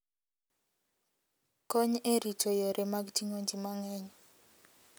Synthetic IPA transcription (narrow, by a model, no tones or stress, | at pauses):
kɔɲeɾitɔjɔɾʔɛmaɡtiŋond͡ʒimaŋɛɲ